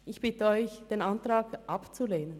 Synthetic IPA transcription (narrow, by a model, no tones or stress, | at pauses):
ʔɪçb̥ɪtəɔʏçd̥eːnantʁaːɡʔapt͡suleːnən